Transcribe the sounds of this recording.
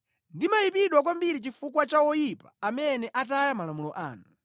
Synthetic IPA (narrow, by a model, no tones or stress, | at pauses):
ndimajipiɗwak̬wambiɾit͡ʃifukwat͡ʃawɔjipḁːmɛnɛʔatajamalamulɔʔa̰ːnu